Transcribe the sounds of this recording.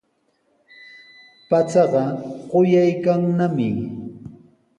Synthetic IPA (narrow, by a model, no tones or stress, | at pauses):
pat͡sɑɢɑɢojajkaŋnamɪ